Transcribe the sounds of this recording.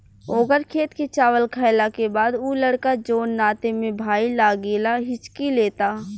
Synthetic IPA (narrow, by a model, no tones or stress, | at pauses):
oːɡəɾkʰeːt̪ket͡ʃaːʋəlkʰaːɪlakebaːd̪uːləɽkad͡ʒoːnːaːt̪emẽbʱaːilaːɡeːlaɦɪt͡ʃkileːt̪aː